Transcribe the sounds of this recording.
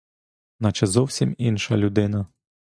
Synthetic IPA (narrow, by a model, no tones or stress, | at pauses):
nɑt͡ʃɛzɔwsʲiminʃɐlʲʊd̪ɪnɐ